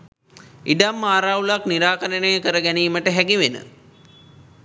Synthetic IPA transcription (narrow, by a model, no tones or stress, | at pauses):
iɖamːaːɾaulakniɾaːkəɾənəjəkəɾəɡæniːməʈəɦæɡiʋenə̰